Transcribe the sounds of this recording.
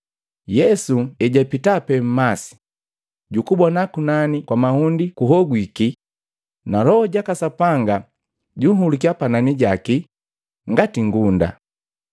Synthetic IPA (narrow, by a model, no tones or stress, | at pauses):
jɛsuɛɟapitapɛm̩masi̥ | ɟukubɔnakunanikwamahundikuɦɔɡwiki | nalɔɔɟakasapaŋɡa | ɟuɦulikiapananiɟaki | ŋɡatiŋɡunda̰